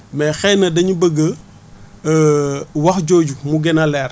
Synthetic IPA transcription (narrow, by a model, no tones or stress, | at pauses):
mɛxɛnɐdɐɲubəɡə | wɐxɟɔːɟumuɡɛnɐlɛr